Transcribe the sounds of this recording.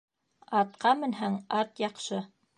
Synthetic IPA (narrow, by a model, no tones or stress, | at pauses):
ɑt̪qɑmɘ̆nɦæŋɑt̪jɑqʃɤ